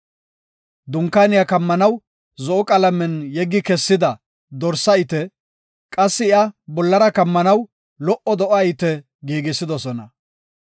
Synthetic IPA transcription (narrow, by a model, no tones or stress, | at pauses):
d̪ʊŋkːanɪjɐkɐmːɐnɐw | zɔʔɔkʼɐlɐmɛnjɛɡːɪkɛsːɪd̪ɐ | d̪ɔɾsɐɪt̪ɛ | kʼɐsːɪɪɐbɔlːɐɾɐkɐmːɐnɐw | lɔʔɔd̪ɔʔajɪt̪ɛ | ɡiːɡɪsːɪd̪ɔsɔnɐ̰